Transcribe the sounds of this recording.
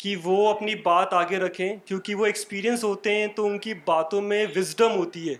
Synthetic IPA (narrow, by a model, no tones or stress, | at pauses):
kiʋoɐpnibaːt̪aːɡeɾɐkʰẽkjõːkiʋoekspiːɾijə̃nsɦoːt̪eɦɛ̃t̪oʊnkibaːt̪õmẽʋɪzɖəmɦoːt̪iɦɛː